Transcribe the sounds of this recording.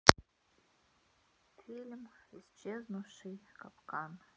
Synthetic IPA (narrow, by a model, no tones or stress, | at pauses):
fʰilʲmizt͡ʃʰeznuʂijkapkan